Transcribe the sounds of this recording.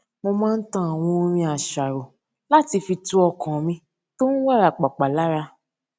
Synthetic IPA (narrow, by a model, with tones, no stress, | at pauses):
mo˧mãː˦n̩˦tã˦a˨w̃ɔ̃˧o˧ɾ̃ĩ˧a˨ʃa˨ɾo˨ | la˦ti˧fi˧tu˦ɔ˧kã˨mĩ˧ | to˦ñ̩˦wa˦˨ɾa˨k͡pa˨k͡pa˨la˨˦ɾa˧